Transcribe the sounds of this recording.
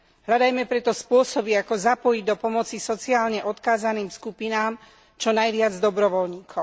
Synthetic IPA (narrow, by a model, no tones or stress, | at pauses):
ɦlad̪ajmɛpɾɛt̪ɔspʊɔsɔbiakɔzapɔjiɟd̪ɔpɔmɔt͡sisɔt͡siaːlɲɛʔɔt̪kaːzaniːmskupinaːm | t͡ʃɔnajʋɪad͡zd̪ɔbɾɔʋɔlɲiːkʰɔ